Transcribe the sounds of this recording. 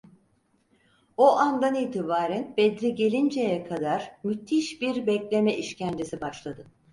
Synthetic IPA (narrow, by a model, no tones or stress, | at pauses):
oʔand̪aniːt̪ʰibaːɾænbɛd̪ɾiɟe̞lʲind͡ʒejɛkʰad̪aɾ̥myt̪ʰːiʃbiɾbɛclʲe̞mɛʔiʃcʰænd̪isibaʃlˠad̪ɯ